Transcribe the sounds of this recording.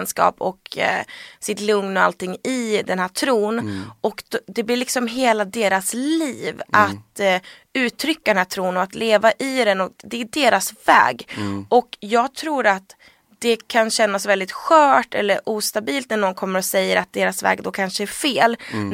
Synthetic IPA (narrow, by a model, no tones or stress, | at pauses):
nskɑ̰ːpɔ̰k | sɪt̪lɵŋnɔa̰lt̪ɪŋːɪd̪ɛnhæːʈʰɾuːnʔɔkd̪ɛblɪɭɪksɔmɦeːlad̪eːɾasliːvʔat̪ | ʉ̟ːt̪ʰɾʏkːad̪ɛnhæːʈ̪ʰɾuːnɔat̪leːvaʔɪd̪ɛnɔkd̪ɛːɖeːɾasvɛ̰ːɡʔɔkjɑːɡt̪ʰɾuːɾat̪ | d̪̥ɛkʰanɕɛnːasvɛld̪ɪt̪ɧœːʈɛ̰lːəɾʔuːst̪abiːlt̪̚næɳɔnkʰɔmːəɾɔsɛjːəɾat̪̚d̪eːɾasvɛ̰ːɡd̪ɔkʰanʂəæɾfeːl